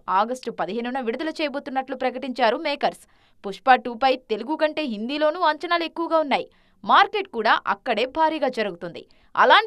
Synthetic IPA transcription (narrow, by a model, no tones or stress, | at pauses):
aːɡɐsʈpɐd̪iɦeːnunɐʋiɽud̪ɐlɐt͡ʃɛːjɐboːt̪unːɐʈlupɾɐkɐʈiɲt͡ʃaːɾumɛːkɐɾs | puʂpaːʈuːpɐjt̪e̞luɡukɐɳʈe̞ːɦind̪iːlo̞ːnuːɐɲt͡ʃɐnaːlue̞kːuʋɐɡaːunːaːji | maːɾkeːʈ̚kuːɽaːʔɐ̰kːɐɽe̞ːbʱaːɾiːɡaːd͡ʒɐɾuɡut̪und̪ḭ | ɐ̰laːɳ